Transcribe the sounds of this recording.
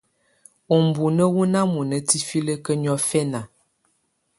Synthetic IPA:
o˨m˨bu˨nə˦wu˦na˦mu˨nə˨ti˦fi˦lə˦kə˦ɲɔ˦fɛ˦na˨

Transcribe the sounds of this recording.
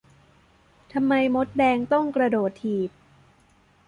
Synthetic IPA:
t̪ʰa˧mːa˧jmo˦˥t̪̚dɛː˧ŋt̪ɔ˥˩ŋkɾa˧doː˨˩t̪ʰːiː˨˩p̪̚

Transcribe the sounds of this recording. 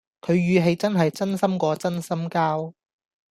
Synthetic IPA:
kʰɵ˨˧ɥːyː˨˧ɦe˨˧jt͡sɐ˥nɦɐ˨jt͡sɐ˥nsɐ˥mkʷɔː˨˧t͡sɐ˥nsɐ˥mkaː˥w

